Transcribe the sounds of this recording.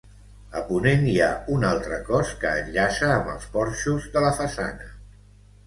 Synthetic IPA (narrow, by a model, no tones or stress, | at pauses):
əpunenjaunalˠt̪ɾəkɔskəːʎʎasəːmbə̰lˠspɔɾʃuzðələfəsa̰nə